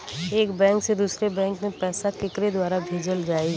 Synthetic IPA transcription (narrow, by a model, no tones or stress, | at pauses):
eːkbɛ̃ːŋksed̪uːsɾebɛ̃ːŋkmẽpɛːsakɪkɾed̪waːɾabʱeːd͡ʒəld͡ʒaːi